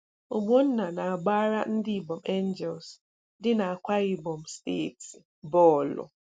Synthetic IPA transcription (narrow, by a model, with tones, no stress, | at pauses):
o˨bo˦n̩˦na˨na˨a˨ɡ͡baː˦ɾa˦n̩˦dɪ˦˨bɔ˨m˨e˦n˦d͡ʒɛ˨ls | dɪ˦na˨a˨kʷa˦ɾi˨bɔ˨m̩˨ste˦˨t | bɔ˦˨lʊ̰˨